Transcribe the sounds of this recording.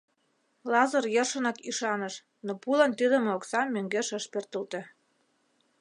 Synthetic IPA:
lɑzɤrjərʃə̆nɑkiʃɑnəʃ | nopulə̆nt̪id̪ə̆mooksɑmːøŋɡeʃəʃpørt̪əlt̪ĕ

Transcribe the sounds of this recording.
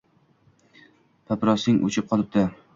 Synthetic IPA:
pʰapɾɒsɪŋʔo̰t͡ʃʰɪp̚qʰɒlˠɪp̚d̪ɪ

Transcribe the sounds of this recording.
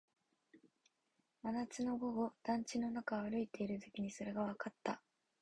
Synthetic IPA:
anat͡sɨno̞ɡo̞ɡo̞d̪̥ãɲ̟t͡ɕino̞nakaaɾɯ̟it̪e̞iɾɯ̟zɯkʲiɲ̟iso̞ɾe̞ɡaβakat̪ːa

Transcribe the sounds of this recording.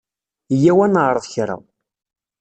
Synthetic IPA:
jæwænʁɾˤəðçɾˤa̰w

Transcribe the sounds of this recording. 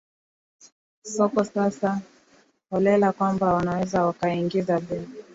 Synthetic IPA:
sɔkɔsasa | ɔlɛlakwambawanawɛzawakaiŋɡizabɛ

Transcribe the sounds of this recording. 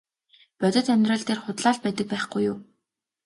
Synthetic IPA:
pœt̪ʲɪ̆t̪ʰæmʲrə̆ɮt̪eːrχʊt̪ɮaːɮ̚pæt̪ə̆k̚pæːχɡujːʊː

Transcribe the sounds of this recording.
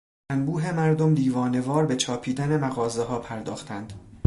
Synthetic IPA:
ænbuːɦe̞mæɾd̪omd̪iːvɒːne̞vɒːɾbe̞t͡ʃʰɒːpʰiːd̪ænemæɣɒːzeɦɒːpʰæɾd̪ɒːxt̪ʰænd̪̥

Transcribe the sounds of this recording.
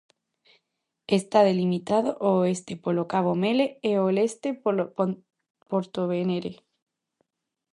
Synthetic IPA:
est̪aðe̞limit̪aðoʔoest̪epolokaβomeleeolest̪e | poɾt̪oβeneɾe

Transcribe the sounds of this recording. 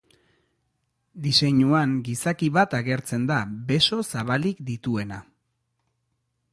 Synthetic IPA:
d̪ise̞ɲuaŋɡisakiβat̪aɣe̞ɾt͡se̞nd̪abe̞so̞saβalikd̪it̪ue̞na

